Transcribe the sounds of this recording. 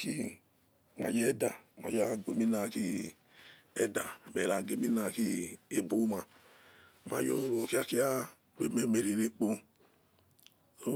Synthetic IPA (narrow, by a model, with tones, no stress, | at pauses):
ki˦ | ŋa̰˨d͡ʒe˦da˨ma̰˨ja˦˨ɡʷe˨mi˦na˨ki˦ | ɛ˦da˨mɛ˨ɾa˨ɡe˨mi˦na˨ki˦e˦bu˦ma˨ | ma̰˨jo˨ɾo˨ki˦a˦ki˦a˦ | we˦me˨me˨ɾe˨ɾe˦k͡po˦ | so˦